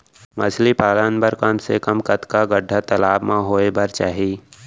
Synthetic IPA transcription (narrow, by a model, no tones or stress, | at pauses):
mɐsʰlipaːlənbəɾkɐmsekəmkət̪kaɡəɖʱːət̪əlaːbmãɦoːebəɾt͡ʃaːɦiː